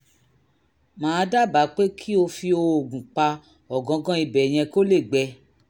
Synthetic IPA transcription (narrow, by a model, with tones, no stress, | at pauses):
mãː˨˦˧da˦˨ba˨˦k͡pe˦kʰi˦o˧fi˧o˧o˨ɡũ˨k͡pa˧ | ɔ˨ɡɔ̃˨˧ɡɔ̃˦i˧bɛ˨j̃ɛ̃˧ko˦le˦˨ɡ͡bɛ˧